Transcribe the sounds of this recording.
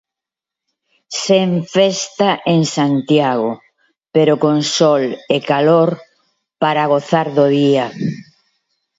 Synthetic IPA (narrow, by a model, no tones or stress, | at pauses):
seɱfɛst̪aʔeŋsant̪jaɣo | peɾokoŋsɔlekaloɾ | paɾaɣ̞oθaɾðoðia